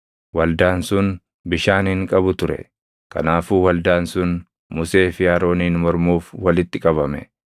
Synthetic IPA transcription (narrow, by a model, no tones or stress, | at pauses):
wɐld̪aːnsʊn | bɪʃaːnɪŋkʼɐbʊt̪ʊɾɛ̰ | kɐ̰naːfuːwɐld̪aːnsʊn | mʊse̞ːfɪjaːɾo̞ːniːnmɔɾmuːfwɐlɪt̪ːɪkʼɐβɐmɛ̰